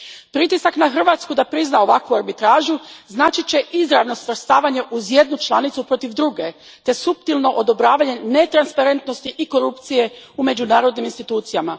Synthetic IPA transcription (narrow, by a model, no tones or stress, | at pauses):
pɾit̪isaknaxr̩ʋaːt̪skud̪apɾiznao̞ʋakʋuaɾbit̪ɾaːʒuznaːt͡ʃit͡ɕe̞ʔizɾaʋno̞sʋr̩st̪aːʋaɲe̞ʔuzje̞d̪nut͡ʃlˠanit̪supɾo̞t̪iʋd̪ɾuɡe̞ | t̪e̞supt̪ilno̞ʔod̪o̞bɾaːʋaɲe̞ne̞t̪ɾanspaɾe̞nt̪no̞st̪iʔiko̞ɾupt̪sije̞ume̞d͡ʑunaːɾo̞d̪niminst̪it̪uːt̪sijama